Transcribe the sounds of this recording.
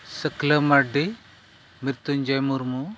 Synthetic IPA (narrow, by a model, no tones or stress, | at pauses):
səklɐmaɖi | miɾt̪und͡ʒajmuɾmu